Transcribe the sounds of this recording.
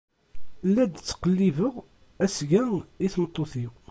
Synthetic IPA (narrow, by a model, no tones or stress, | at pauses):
lːæd̪t͡sːqəlːivəʁ | æsɡæiθmət̪ˤːoθiw